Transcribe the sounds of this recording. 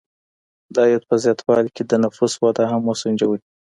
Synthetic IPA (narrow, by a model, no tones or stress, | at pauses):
d̪ɑjɑd̪̚pəzjɑt̪ʰwɑlked̪ənafuswɑd̪aɦamːosund͡ʒawəi̥